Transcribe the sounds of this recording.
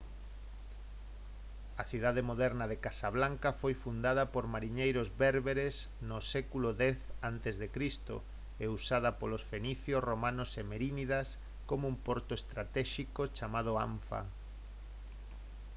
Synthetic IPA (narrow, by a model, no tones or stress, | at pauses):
ɐθið̞aðemoðɛɾnɐðekasaβlaŋkɐfojfund̪að̞ɐpoɾmaɾiɲejɾozβɛɾβeɾesnʊsɛkuloðɛθant̪ezðekɾist̪o̰ | eusað̞ɐpolosfeniθjosromãnosemeɾiniðas | komoumpoɾt̪oest̪ɾat̪ɛʃikot͡ʃamað̞ʊaɱfa̰